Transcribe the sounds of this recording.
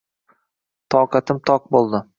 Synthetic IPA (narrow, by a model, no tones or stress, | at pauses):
t̪ʰɒqɑt̪ʰɪmt̪ʰɒq̚bolˠd̪ɪ